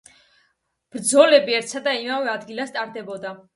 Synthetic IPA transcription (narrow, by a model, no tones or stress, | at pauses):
b̥ɾd̪zɔlɛbiɛɾt̪sʰad̪aimavɛad̪ɡilast̪ʼaɾd̪ɛbɔd̪a